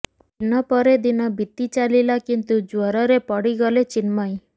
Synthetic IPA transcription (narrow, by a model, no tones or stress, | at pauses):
inɔpɔɾed̪inɔbit̪ːit͡ʃalilakint̪ud͡ʒuɔɾɔɾepɔɽiɡɔlet͡ʃinmɔj